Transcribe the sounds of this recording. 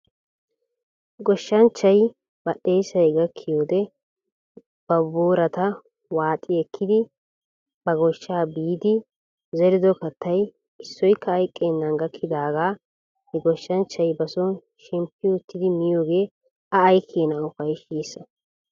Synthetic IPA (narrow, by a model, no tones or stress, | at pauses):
ɡɔʃːɐnt͡ʃːɐj | b̥ɐɗejsɐjɡɐkʰːɪjoːd̪ɛ | b̥ɐboːɾɐt̪ɐ | waːt̪ʼːɪɛkʰːɪd̪ɪ | bɐɡɔʃːaːbiːd̪ɪ | zɛɾɪd̪ɔkɐt̪ʰːɐj | ɪsːɔjkʰːɐːjkʼːenːɐŋɡɐkʰːɪd̪aːɡaː | hɛɡɔʃːɐnt͡ʃːɐjbɐsɔ | ʃɛmpːɪʊt̪ʰːɪd̪ɪmɪjoːɡe̞ː | ɐːjkʰːeːnɐʊfɐjʃiːsːɐ